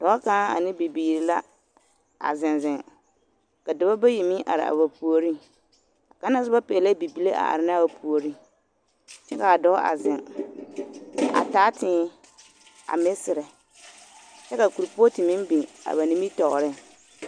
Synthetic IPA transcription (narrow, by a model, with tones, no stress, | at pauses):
d̥ɔ˨˦kaː˦a̰˨nɪ˦bi˨biː˨ɾi˨la˦ | a̰˨zɪ˨nzɪ˨ŋ | ka˨dɪ˨ba˦ba˦ji˨mɪ˦ʔa̰˨ɾɪ̰˨a̰˨βa˨pu˨o˨ɾi˦ | a˨ka˦na˦sɪ˦ba˦pɛ˨la˦bi˨bi˦le˦ʔa̰˨ʔa̰˨ɾɪ˨˦na˦ba˨pʰu˨o˨ɾi˦ | t͡ʃɛ˦ka˨a˨dɔ̰˦ʔa̰˨zɪ˨ŋ | a̰˨taː˨˦tɪ˦ | a̰˨mɪ˦sɪ˨ɾɪ˨ | t͡ʃɛ˦ka˨ku˨ɾpo˦tɪ˨mɪ˦m˦bi˨a̰˨βa˨ni˨˦mi˦tɔ˨ʔɾɪ˦